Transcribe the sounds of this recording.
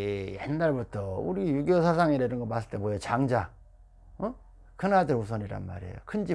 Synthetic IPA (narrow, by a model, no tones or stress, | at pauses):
jḛnːaɭbutʰʌuɾijuɡjosʰas̬ʰaŋeɾeɾɯnŋɡʌmas͈ɯɭt͈e̞mojot͡ɕaŋd͡ʑa | ʌ | kɯnadɯɾus̬ʰʌɲiɾa̰nma̰ɾḛjokʰɯnd͡ʑi